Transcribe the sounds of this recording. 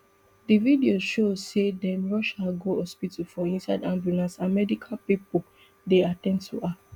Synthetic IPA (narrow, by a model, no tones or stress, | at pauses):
dividiozʃozsedɛ̃mɹɔʃaɡohɔspitufɔĩnsaɪdãmbjulãnsãnmɛdikʰalpipo | deatɛ̃ndtʰuʔa